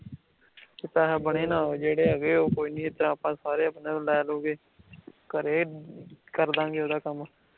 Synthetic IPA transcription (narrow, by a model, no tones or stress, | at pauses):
kɪt̪aːɦɛːbəɳeːnãːd͡ʒeːɽeːaːɡeːoːkoːiːnĩːɪt̪əɾãːpãːsaːɾeːəbnẽːlɛːloːɡeː | kəɾeː | kəɾd̪ãːŋɡeoːd̪aːkəm